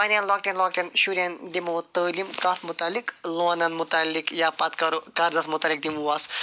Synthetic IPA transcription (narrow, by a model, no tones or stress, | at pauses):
pɐnʲɐnlɔːkʈɐnlɔk̚ʈenʃuɾɐnd̪imut̪əːlimkɐt̪mut̪alːiklonɐnmut̪alːikjapɐt̪kɐɾukaɾzɐsmut̪alik̚d̪imuas